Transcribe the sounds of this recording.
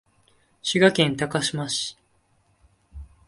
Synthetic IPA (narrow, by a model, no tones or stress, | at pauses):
ɕiɡakẽnt̪akaɕimaɕi̥